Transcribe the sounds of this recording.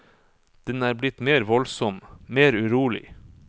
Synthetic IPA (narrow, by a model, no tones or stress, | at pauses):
d̪̥ɛnæːɾblɪt̪meːɾʋɔlsɔmmeːɾʉɾuːlɪ̰